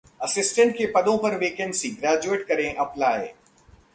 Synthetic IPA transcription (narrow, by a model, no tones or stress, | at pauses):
ɐsɪsʈə̃ɳʈkepɐd̪õpɐɾʋeːkɛ̃nsiɡɾaːd͡ʒueːʈkɐɾẽʔɐplaːḛː